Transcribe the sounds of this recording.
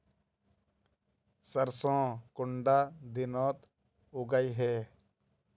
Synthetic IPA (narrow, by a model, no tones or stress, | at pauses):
səɾsõːkʊɳɖaːd̪ɪnɔːt̪ | ʊɡaiɦɛː